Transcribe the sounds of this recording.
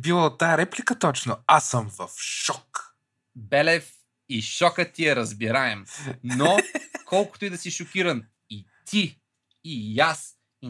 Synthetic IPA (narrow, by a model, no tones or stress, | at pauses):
bilˠot̪ːaəɾɛplikət̪ɔt͡ʃnoasəmvɐfʃɔk | bɛlɛf | iʃɔkət̪iɛɾɐzbiɾaɛmnokʰɔlˠkʊ̥t̪ʊid̪ɐsiʃokʲiɾɐn | it̪ʰiː | jas | i